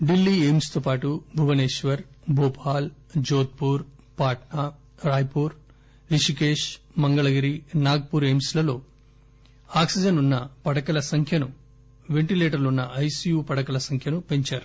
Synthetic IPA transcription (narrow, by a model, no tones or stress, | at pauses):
ɖilːiːeːmst̪oːpaːʈubʱuʋɐneːʃʋɐɾ | bʱoːpʰaːld͡ʒoːt̪̚puːɾ | paːʈna | ɾaːjpuːɾ | ɾiʂikeːʃ | mɐŋɡɐɭɐɡɐɾinaːɡ̚puːɾeːmslɐlo̞ː | aːksid͡ʒɐnunːɐpɐɽɐkɐlɐsɐŋkʰjɐnu | ʋeɳʈileːʈɐɾlunːɐʔɐjsijuːpɐɽɐkɐlɐsɐŋkʰjɐnupe̞ɲt͡ʃaːɾu